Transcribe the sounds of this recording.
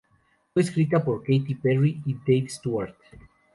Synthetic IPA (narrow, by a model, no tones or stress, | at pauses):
fweeskɾit̪apo̞ɾkejt̪iperiid̪ejvst̪uaɾt̪